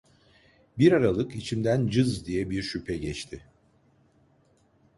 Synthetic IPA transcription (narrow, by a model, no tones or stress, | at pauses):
biɾaɾalˠɯkit͡ʃʰimd̪ænd͡ʒɯzd̪ijɛbiɾʃypʰɛɟɛt͡ʃt̪ʰɪ